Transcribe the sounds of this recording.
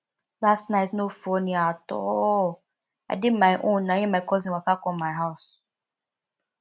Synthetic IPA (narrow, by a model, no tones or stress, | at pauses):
lastnaɪtnofoniatɔ̰ | a̰dɪd̚maɪʔõnːajĩmaɪkɔzĩwakakɔmaɪɦaʊs